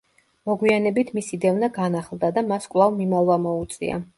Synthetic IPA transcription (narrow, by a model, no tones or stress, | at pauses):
mɔɡwianɛbit̪ʰmisid̪ɛvnaɡanaχlˠd̪ad̪amaskʼwlˠavmimalˠvamɔut̪sʼḭa̰